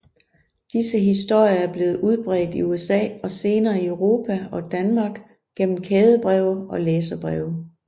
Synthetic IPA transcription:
d̥isəɦisd̥o̝ɐ̰jɐæɐb̥le̝ːð̞̩ˠuð̞ˠb̥ʁɛːd̥iuesɛ̰ːɒ̽se̝ːnɐːiøʊʁo̝ːpʰæɒ̽d̥ænmɑ̈ːɡ̥ | ɡ̥en̰m̩kʰeːð̞ˠəb̥ʁɛʊɒ̽leːs̬ɐb̥ʁɛʊ

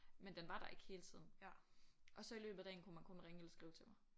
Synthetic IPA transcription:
mend̥enʋɑ̈ɾ̥ɑ̈e̝ɡ̥ə̥he̝ːlət͡sʰḭð̰ˠn̩ | ʔɒ̽sɒ̽ilø̰ːb̥ð̩ˠd̥ɛ̰ːn̩kʰumænkʰɔ̽nʁeŋəelɐsɡ̥ʁḭːʊt͡sʰe̝lmɑ̈ɪ

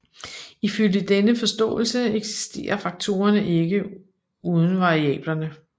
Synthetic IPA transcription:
iføljəd̥enəfɒ̽sd̥ɔ̰̽ːl̩səeɡ̥si̥sd̥e̝̰ːɐfɑ̈ɡ̥̚t͡sʰo̝̰ːɐnəʔe̝ɡ̥ə | uð̞ˠn̩ʋɑ̈ʁiɛ̰ːb̥lɐnə

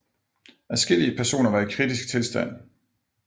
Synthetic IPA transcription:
æsɡ̥e̝liəpʰæɐso̝̰ːnɐʋɑ̈ikʰʁid̥isɡ̥̚t͡sʰe̝lsd̥æn̰

